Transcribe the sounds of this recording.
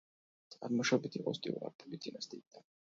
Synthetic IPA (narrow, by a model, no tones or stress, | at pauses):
t̪sʼaɾmɔʃɔbit̪ʰiqʼɔ̰st̪ʼḭvuɾa̰ɾpʼulid̪inast̪ʰʼid̪a